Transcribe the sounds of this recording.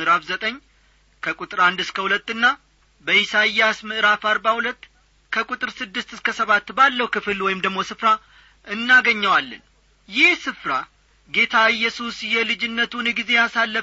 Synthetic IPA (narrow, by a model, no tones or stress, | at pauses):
ɨʔɨɾafzət̪ʼəɲː | kʰəkʼut̪ʼɨɾand̪ɨskʰəhulət̪ːɨnːa | bəjisajːasmɨʔɨɾafaɾbahulət̪ː | kʰəkʼut̪ʼɨɾsɨd̪ːɨst̪ɨskʰəsəβat̪ːbalːəhukʰɨfɨlwɔjɪmd̪əɡmo̞sɨfɾa | ʔɨnːaɡəɲːəwalːən | jɪhsɨfɾa | ɡe̞t̪ʰaɨjːɛsusjɛlɨd͡ʒɪnːət̪ʰunɡize̞jasalːə